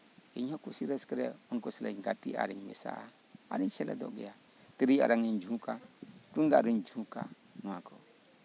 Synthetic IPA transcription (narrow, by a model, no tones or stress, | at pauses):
iɲokusiɾeskəɾeunkuslaɲɡatia̰ɾiɲmisa̰ | a̰ɾiʃela̰do̰ɡija | tiɾia̰ɾaŋend͡ʒukatundaɾind͡ʒũka | nako